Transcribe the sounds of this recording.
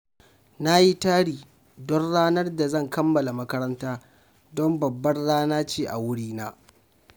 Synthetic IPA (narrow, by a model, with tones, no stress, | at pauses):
na˦ji˦taː˦ɽiː˨ | dɔ˦nɽaː˦nɐ˦rda˨zɐ˦˨ŋkɐ˦mːɐ˨la˨mɐ˦kɐ˦ɾɐ˦ntaː˦ | dɔ˦mbɐ˨bːɐ˦rɽaː˦naː˦t͡ʃeː˦ʔa̰˨wʊ˦ɽiː˦naː˦